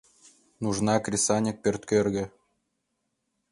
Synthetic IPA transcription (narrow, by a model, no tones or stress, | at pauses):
nuʐnɑkrʲisɑnʲik̚pʲĕrʲt̪kʲørʲɣʲɘ̆